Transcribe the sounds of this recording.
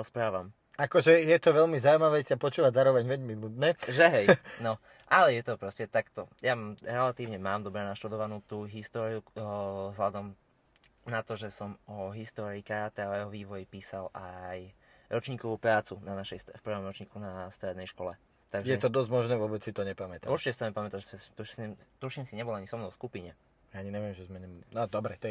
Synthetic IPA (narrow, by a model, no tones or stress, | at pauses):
ɔspɾaːʋam | akɔʒɛjɛt̪ɔʋɛʎmizaujmaʋɛsiapɔt͡ʃuːʋaɟzaːɾɔʋɛɲʋɛɟminut̪nɛʒɛɦɛjnɔ | ʔalɛjɛt̪ɔpɾɔscɛt̪akt̪ɔjamɾɛlat̪iːʊɲɛmaːmd̪ɔbɾɛnaʃt̪ud̪ɔʋanuːt̪uːɦist̪ɔːɾiuzɦlad̪ɔm | nat̪ɔʒɛsɔmɔɦist̪ɔːɾiːkaɾat̪ɛaajɛɦɔʋiːʋɔjipiːsalaj | ɾɔt͡ʃɲiːkɔʋuːpɾaːt͡sunanaʃɛjsfpr̩ʋɔmɾɔt͡ʃɲiːkunast̪ɾɛd̪nɛjʃkɔlɛ | t̪aɡjʒɛɛt̪ɔd̪ɔzɟmɔʒnɛːʋʊɔbɛt͡ssit̪ɔɲɛpamɛt̪auɾt͡ʃicɛsit̪ɔɲɛpamɛt̪aʒɛsist̪ust̪uʃimsiɲɛbɔlaɲisɔmnɔʊskupiɲɛ | jaaɲiɲɛʋɪɛmʒɛzmɛɲɛnɔd̪ɔbɾɛt̪ɔ